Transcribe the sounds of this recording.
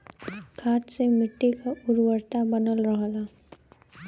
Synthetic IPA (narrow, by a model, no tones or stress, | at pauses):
kʰaːt̪semɪʈːikaʔʊɾwəɾt̪abənəlɾəɦla